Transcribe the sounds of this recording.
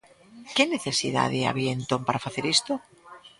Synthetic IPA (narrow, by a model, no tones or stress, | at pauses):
kene̞θe̞siða̰ðea̰βjent̪ompaɾafaθeɾest̪o